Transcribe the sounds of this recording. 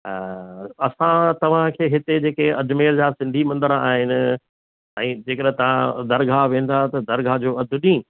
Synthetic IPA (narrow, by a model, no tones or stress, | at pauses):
ɐsãt̪ɐʋ̤ãkʰeːɦɪt̪ed͡ʑeːkeɐd̪ʱmeːɾd͡ʑaːsɪ̃nd̪ʱimɐ̃nd̪əɾa̰ːɦɪnɪ̆ | ɛ̃ːd͡ʑeːkəɗt̪ɐʋ̤ãd̪ɐɾɡʱaʋẽːn̆d̪aɦt̪ɐd̪ɐɾɡʱad͡ʑoːɐd̪ʱʊɗĩː